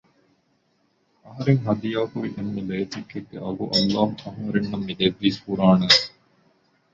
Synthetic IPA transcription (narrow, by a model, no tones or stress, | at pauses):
ɐɦɐɾeŋɦɐd̪ijaːkuʋiʔemːeleːt̪ikːeɡːḛʔɐɡuʔɐlːaːmɐɦɐɾenːɐmːid̪eʋːiːshuɾaːne